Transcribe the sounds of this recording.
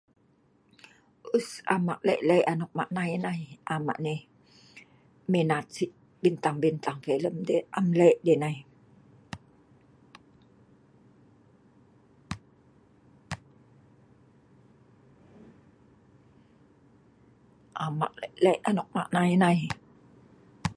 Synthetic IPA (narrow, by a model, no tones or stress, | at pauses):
ʔusa̰ma̰ʔlɛ̰ʔlɛjʔanok̚ma̰ʔnajnajʔama̰ʔne | menat̪siʔ | bint̪aŋbint̪aŋfeləmdeʔamlɛʔdenaj | ʔama̰ʔlɛʔlɛʔanɔk̚ma̰ʔnajnaj